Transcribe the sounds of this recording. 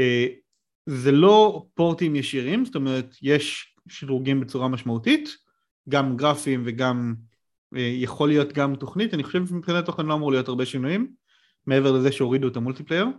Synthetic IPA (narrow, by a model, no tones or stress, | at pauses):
e | ze̞lo̞po̞ʁtimjeʃiʁimzto̞meʁ̞etje̞ʃ | ʃidʁuɡimbe̞t͡suʁamaʃmautit | ɡamɡʁafimve̞ɡam | ejeχo̞lijo̞tɡamto̞χnitaniχoʃevʃemipχinatoχenloamuʁlijo̞taɐʁbe̞ʃinujimː | eevelezeʃeo̞ʁiduetamultiplejeʁ